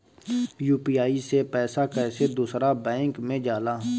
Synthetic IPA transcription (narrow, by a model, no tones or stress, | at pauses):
juːpiːaːisepɛːsakɛːsed̪uːsɾabɛ̃ːŋkmẽd͡ʒaːlaː